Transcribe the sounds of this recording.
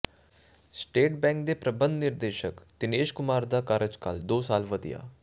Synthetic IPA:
sʈeːʈbɛ̃ːŋk̚d̪eːpɾəbənd̪nɪɾd̪eːʃəkt̪ɪneːʃkʊmaːɾd̪aːkəɾəd͡ʒkə̰ld̪oːsaːlʋəd̪ɪ̰ja̰ː

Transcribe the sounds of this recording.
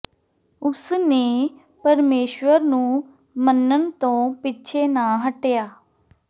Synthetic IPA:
ʊsneː | pəɾmeːʃwəɾnũː | mənːənt̪õːpɪːt͡ʃʰeːnaːɦəʈjaː

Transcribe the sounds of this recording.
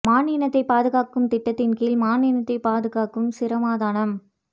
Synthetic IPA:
maːniːnɐt̪ːɐɪpaːðɯɣaːkɯmt̪ɪʈːɐt̪ːɪnkiːlmaːniːnɐt̪ːɐɪpaːðɯɣaːkːɯmsɪɾɐmaːðaːɳɐm

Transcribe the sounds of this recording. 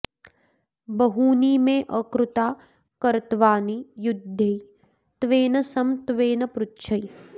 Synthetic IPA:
bɐɦuːniːmẽʔɐkɾut̪aː | kɐɾt̪ʋaːnijud̪ʱjej | t̪ʋeːnɐsɐmt̪ʋeːnɐpɾʊtːʃʰɐj

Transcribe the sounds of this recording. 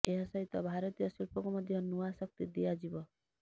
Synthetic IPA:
eɦɔsʌɦit̪ɔbʱaɾɔt̪ijɔsilpɔkɔmʌd̪ʱjɔnuasʌk̚t̪id̪ijad͡ʒibɔ

